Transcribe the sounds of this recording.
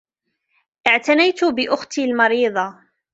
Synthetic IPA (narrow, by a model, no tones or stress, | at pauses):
ʔɪʕt̪anajt̪ʊbɪʔʊxt̪ilmɑɾiːðˤɑ